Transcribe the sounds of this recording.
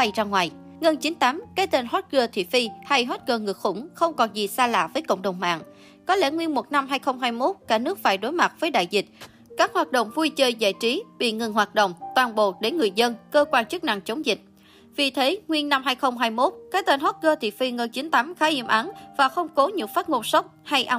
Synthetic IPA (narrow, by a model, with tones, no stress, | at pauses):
a˧jt͡ɕa˧ŋwaː˨˩j | ŋə˧nt͡ɕi˨˦nt̪aː˨˦mkaː˨˦˥j̚t̪e˧nɦo˦˥t̚ɣəː˧t̪ʰḭ˧˨fi˧ha˧jɦo˦˥t̚ɣəː˧ŋɨ˨˩ək̚xʊ̰˧˩ŋ͡mxə˧wŋ͡mkɔ˨˩nzi˨˩saː˧la̰ː˧˨vəː˨˦jkə̰˧˨wŋ͡mɗə˨˩wŋ͡mma̰ː˧˨ŋ | kɔ˨˦lɛ̰˧˩ŋwi˧ənmo˨˩t̚na˧mɦaː˧jxə˧wŋ͡mɦaː˧jmo˦˥t̚kaː˧˩nɨ˦˥ək̚faː˧˩jɗo˨˦jma˨˩t̚vəː˨˦jɗa̰ː˧˨jzï˨˩t̚ | kaː˦˥k̚hwaː˨˩t̚ɗo̰˧˨wŋ͡mvu˧jt͡ɕəː˧jza̰ː˧˨jt͡ɕi˨˦ɓḭ˧˨ŋɨ˨˩ŋɦwaː˨˩t̚ɗo̰˧˨wŋ͡mt̪waː˨˩nɓo̰˨˩˨ɗe˧˩˦nŋɨ˨˩əjzə˧nkəː˧kwaː˧nt͡ɕɨ˦˥k̚na˧˨ŋt͡ɕə˨˦wŋ͡mzï˨˩k̟̚ | vi˨˩t̪ʰe˨˦ŋwi˧ənna˧mɦaː˧jxə˧wŋ͡mɦaː˧jmo˦˥t̚kaː˦˥t̪e˧nho˦˥t̚ɣəː˧t̪ʰḭ˧˨fi˧ŋəː˧t͡ɕï˨˦nt̪aː˨˦mxaː˨˦ʔi˧˩əmʔa˨˦nvaː˨˩xə˧wŋ͡mko˨˦ɲɨ̰˧˥ŋfaː˦˥t̚ŋo˧nsa˦˥wk͡p̚ha˧jʔa˧